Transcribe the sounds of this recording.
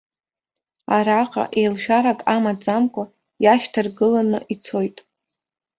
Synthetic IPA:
aɾaqʼa̰ʔe̞jlʃᶣaɾakʼamad͡zʼamkʷʼa | jaʃtʰɨrɡɨlanɨ̰ʔit͡sʰo̞jtʼ

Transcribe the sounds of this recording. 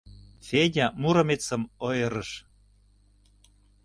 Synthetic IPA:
fedʲɑmuɾəmet͡sə̆mojɤ̆ɾəʃ

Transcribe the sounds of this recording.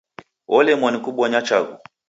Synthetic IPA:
wʔɔlɛmwanikuɓwɔɲat͡ʃaɣṵ

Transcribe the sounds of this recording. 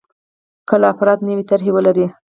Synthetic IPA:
kəlaːfɾɑd̪nəwit̪aɾɦewəlaɾi

